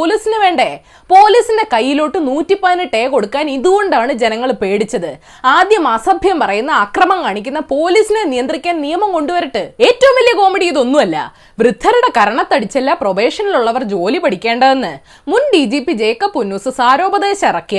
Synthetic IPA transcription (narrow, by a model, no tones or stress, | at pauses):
oːliːsinɨʋe̞ːɳɖe̞ | po̞ːliːsinde̞kɐjːiloːʈːɨnuːtːipːɐðinɨʈːe̞ːko̞ɽukːaːniðuɣo̞ɳɖaːɳɨd͡ʑe̞nɐŋːɐɭpe̞ːɽit͡ɕːɐðɨ | aːd̪jɐmɐsɐbʱjɐmpɐrɐjunːɐaːkrɐmɐmkaːɳikʲːunːɐpo̞ːliːsinenijɐnd̪rikʲːaːnnijɐmɐmko̞ɳɖuʋɐɾiʈːɨe̞ːtːɐʋumʋɐlijɐko̞ːmiɽijiðo̞nːumɐlːɐ̰ | ʋrɨd̪ʱːɐɾuɽe̞kɐɾɐɳɐt̪ːɐɽit͡ɕːelːaproʋe̞ːʂɐniluɭːɐʋɐrd͡ʑo̞ːlipɐɽikʲːe̞ːɳɖɐðe̞nːɨ | munɖiːd͡ʑiːpːid͡ʑe̞ːkːɐpːunːuːsɨsaːɾo̞ːbɐðe̞ːɕɐirɐkːij